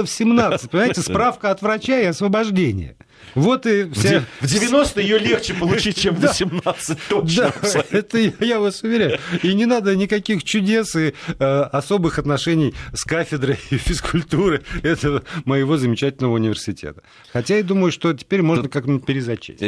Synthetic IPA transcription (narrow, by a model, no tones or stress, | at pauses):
əfsʲɪmnat̪sɨt̚ʲpənʲɪmaɪɪtʲɪsʲpɾafkəɐt̪vɾɐt͡ɕaɪɐsvəbɐʐdʲenʲɪ̰jə̰ | vo̞t̪ɪfsʲavdʲɪvʲɪno̞st̪əjjolʲext͡ɕɪpəlˠʊit̚ʲt͡ɕemvəsʲɪmnat̪sɨtʲt̪od̪aɛt̪əjjavasʊvʲɪɾʲæjʊinʲɪnad̪ənʲɪkɐkʲixt͡ɕʊdʲe̞sɪəɐso̞bɨxɐt̪nɐʂɛnʲɪjskafʲɪd̪ɾəjfʲɪskʊlʲt̪uɾɨɛt̪əvəməjɪvo̞zəmʲɪt͡ɕætʲɪlʲnəvəʊnʲɪvʲɪrsʲɪtʲḛt̪ə̥ | xɐtʲajad̪uməjʊʂt̪o̞tʲɪ̥pʲeɾʲmo̞ʐnəkaknpʲɪɾʲɪzɐt͡ɕḛsʲ